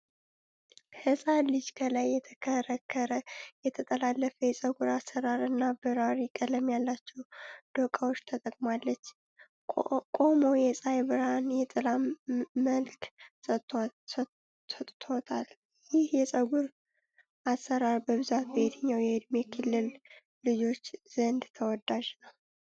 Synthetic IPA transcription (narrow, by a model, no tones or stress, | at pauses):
hɨsʼalɨd͡ʒkʰəlajːɛt̪ʰəkʰəɾəkʰːəɾəjɛt̪ʰət̪ʼəlalːəfəjɛsʼəɡuɾasːəɾaɾɨnːabɨɾaɾikʼələmjalːat͡ʃːɛwd̪̥okʼawot͡ʃːt̪ʰət̪ʼəkʼmalːət͡ʃː | kʼo̞mo̞jɛsʼajβɨɾanjɛt̪ʼɨlaməlk | ət̪ʼt̪ʰo̞t̪ʰal | jɪhjɛsʼəɡuɾ | ʔasːəɾaɾbəβɨzat̪̚bəhed̪əɲːawjɛd̪mekʰɨlːɨl | lɨd͡ʒo̞t͡ʃːz̥ənd̪t̪ʰəwɔd̪aʒnəw